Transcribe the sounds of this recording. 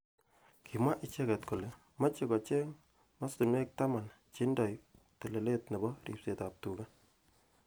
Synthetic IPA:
kʰi˨mwa˦ʔɪ˦t͡ʃe˦kɛ˨tko˨le˨ | ma˦t͡ʃe˨kɔ˨t͡ʃe˦ŋ | ma˦stu˨nwe˦k̚ta˦ma˨n | t͡ʃi˦ndɔ˨j | te˨le˨le˦tne˨bɔ˦rḭ˨p̚se˨ta˨p̚tu˨ka˦

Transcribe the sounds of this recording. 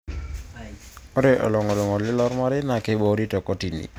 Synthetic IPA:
ɔ˦ɾɛ˨ʔɔ̰˨lɔ˨ŋɔ˨lɔ˨ŋɔ˨lɪ˦lɔ˦ɾma˦ɾɪ˦na˨ke˦bo˦ɾi˦tɔ˨kɔ˦ti˨nḭ˨

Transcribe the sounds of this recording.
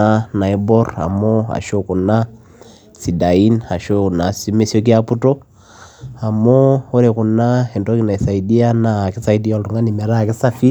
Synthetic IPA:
ana˨i˦bɔ˦ra̰˨mɔ˦a̰˨ʃo˦ku˨na˦ | si˨da˨i˦na˨ʃɔna˨si˦mɛ˦sjɔ˦k̬i˦a˦pu˦tɔ˦ | a˨mɔ˦ɔ˦ɾɛ˨ku˨na˦ɛ˨ndɔ˦ki˨na˨i˨sa˨i˨di˦a˦na˨ki˦sa˦i˦di˦a˦˨tu˨ŋɡa˦ni˨mɛ˨ɾa˦ki˦sa˦fi˦

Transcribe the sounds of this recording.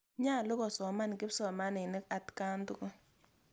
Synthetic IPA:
ɲa˦˨lʊ˦kɔ˨sɔ˨ma˦nkɪ˦psɔ˨ma˦nɪ˨nɪ˦ka˨tka˦ntu˦kɔ˦

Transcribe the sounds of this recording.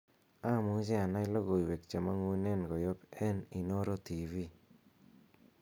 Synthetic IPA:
a˦˨mu˦d͡ʒe˦a˨na˦ɪ˦lo˦ɣo˨i˨we˨kt͡ʃe˨ma˦ŋu˦nɛ˦nɡo˨jo˦pɛ˦ni˨no˦ɾo˦ti˨vi˦

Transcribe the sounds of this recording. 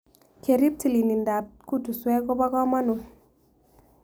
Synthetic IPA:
ke˨ɾi˦p̚ti˨li˨ni˨nda˨p̚ku˦tu˨swɛ˦ko˦ba˦kɔ˦ma˦nu˨

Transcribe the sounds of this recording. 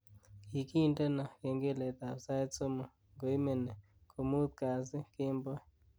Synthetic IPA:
ki˨ki˦˨nde˦nɔ˨ke˨ŋɡe˦le˨t̪a˨sa˦t͡so˦mo˨ | ŋɡo˨i˦me˨ne˨ | kʰo˨mu˦t̪̚ka˨s̬ɪ˦kɪ˦mbɔ˦

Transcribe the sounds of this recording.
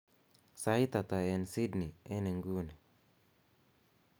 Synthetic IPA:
sa˨i˦t̪a˨t̪a˨e˨nsi˦dni˨e˦ne˨ŋɡu˦nɛ˨

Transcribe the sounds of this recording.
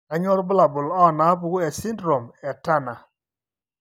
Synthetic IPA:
a˨ɲɔ˦ɾbʊ˦la˨bʊ˨lɔ˦˨na˨˦pu˨ku˦ɛ˨si˦ndɾo˨mɛ˨ta˦na˨

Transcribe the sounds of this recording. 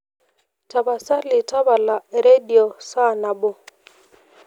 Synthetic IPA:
ta˨ba˨sa˦lɪ˨ta˦ba˨la˨ɾe˦di˨o˨sa˦˨na˨bo˨

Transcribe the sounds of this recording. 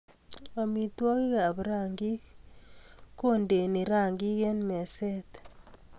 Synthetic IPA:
a˨mi˨t̪wɔ˦ki˦ka˨bɾa˦˨ŋɡi˦k | ko˦nde˨ni˨ɾa˦˨ŋɡi˦ke˦nmɛ˨sɛ˦t̪

